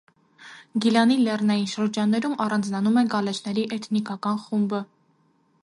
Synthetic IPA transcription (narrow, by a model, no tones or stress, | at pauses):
ɡilɑnilɛrnɑjinʃəɾd͡ʒɑnːɛɾumɑrɑnd͡znɑnumɛnɡɑlɛt͡ʃʰnɛɾiʔɛt̪ʰnikɑkɑnχumbə